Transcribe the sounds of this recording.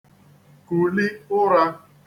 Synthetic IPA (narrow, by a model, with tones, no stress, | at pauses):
ku˨lɪ˦ʊ˦ɾa˦